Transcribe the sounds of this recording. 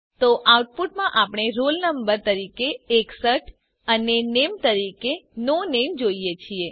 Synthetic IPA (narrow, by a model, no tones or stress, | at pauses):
t̪oʔawʈ̚puʈmãʔapɳ̃eɾolnəmbəɾt̪əɾikeːksəʈ | ənenemt̪əɾikenonemd͡ʒoijet͡ʃʰie